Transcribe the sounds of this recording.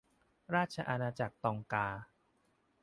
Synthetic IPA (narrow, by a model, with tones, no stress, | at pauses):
ɾaː˥˩t̪̚t͡ɕʰa˧ʔa˧naː˧t͡ɕa˨˩k̚t̪ɔː˧ŋkaː˧